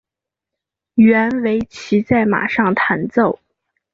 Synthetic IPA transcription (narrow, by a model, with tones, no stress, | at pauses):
ɥɛ˧˥nwe˧˥ɪt͡ɕʰi˧˥t͡sa˥˩ɪma̰˨˩ʂɑ˥˩ŋt̪ʰa˧˥nt͡so˥˩ʊ